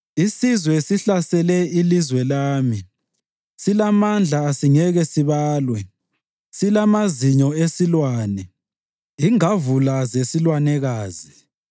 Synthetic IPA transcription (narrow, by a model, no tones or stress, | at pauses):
isizwɛsiɬasɛlɛilizwɛlaːmi | silamand͡ɮʱaːsiŋɛɣɛsiβaːlwɛ | silamaziɲɔesilwaːnɛ | iŋavulazesilwanɛɣaːzi